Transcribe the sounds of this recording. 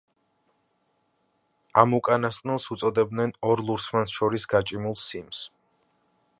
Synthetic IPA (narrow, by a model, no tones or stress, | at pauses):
amukʼanast̪ʼnɛlˠsut̪sʼɔd̪ɛbd̪nɛnɔɾlˠuɾsmansʃɔɾisɡat͡ʃʼimulˠsims